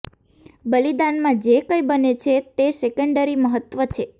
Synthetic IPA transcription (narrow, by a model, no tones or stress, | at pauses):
bəlid̪anmãd͡ʒekəjbənet͡ʃʰet̪esekəɳɖəɾiməɦət̪ːʋət͡ʃʰe